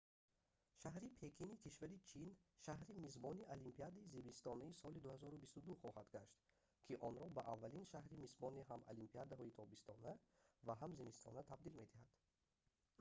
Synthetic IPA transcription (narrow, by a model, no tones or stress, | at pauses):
ʃaɦɾipʰe̞kʰinikʰiʃvaɾit͡ʃʰinʃahɾimizbɔniʔalimpʰiad̪aizimist̪ɔnaisɔlid̪uhazɔɾubist̪ud̪uχɔhad̪ɡaʃt̪ | kʰiʔɔnɾɔbaʔavːalinʃahɾimizbɔniɦama̰limpʰiad̪aɦɔit̪ʰɔbist̪ʰɔnavaɦamzimist̪ʰɔ̰nat̪ʰabd̪ilme̞d̪ihad̪̥